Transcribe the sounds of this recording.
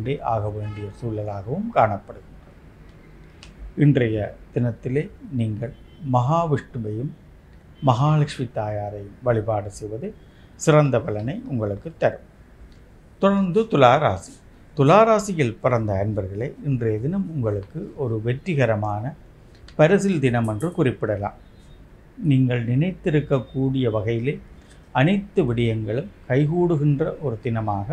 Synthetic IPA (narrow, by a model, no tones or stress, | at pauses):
ɖɐʔaːɣɐʋeːɳɖɪjɐsuːlɐlaːɣɐʋɯmkaːɳɐpːɐɽɯɣɪndrɐn | ɪndrɐjɐd̪ɪnɐt̪ːɪleːniːŋɡɐɭ | mːɐɣaːʋɪʂʈɯmɐjɯmː | ɐɣaːlɐkʂmit̪ːaːjaːɾɐɪjɯmʋɐɭɪpaːɽɯsɛjʋɐðɯ | sɪrɐnd̪ɐpɐlɐnɐɪʊŋɡɐɭɯkːɯt̪ːɐɾɯm | t̪ʊɽɐɾnd̪ɯt̪ʊlaːɾaːsɪ | t̪ʊlaːɾaːsɪjɪlpɪrɐnd̪ɐɐnbɐɾɣɐɭeːɪndrɐðɪnɐmʊŋɡɐɭɯkːɯɔɾɯʋɛʈrɪɣɐɾɐmaːnɐ | pɐɾɐsɪld̪ɪnɐmɛndrɯkʊrɪpːɪɽɐla̰ːm | niːŋɡɐɭnɪnɐɪt̪ːɪɾɯkːɐkːuːɽɪjɐʋɐɣɐjɪleː | ɐnɐɪt̪ːɯʋɪɽɪjɐŋɡɐɭɯmkɐɪɣuːɽɯɣɪndrɐʔɔɾɯd̪ɪnɐmaːɣɐ